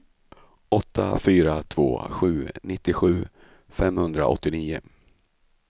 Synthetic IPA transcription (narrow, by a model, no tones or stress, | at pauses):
ɔt̪ʰːa̰fyːɾat̪ʰv̥o̰ːɧʉ̟ːnɪt̪ːɪɧʉ̟ː | fɛmhɵnd̪ɾa̰ɔ̰t̪ːɪniːʊ̰